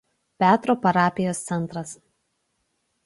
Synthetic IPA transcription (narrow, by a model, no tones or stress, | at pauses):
pʲæːt̪ɾoːpɐɾɑːpʲɪjoːst̪sʲɛnˑt̪ɾɐs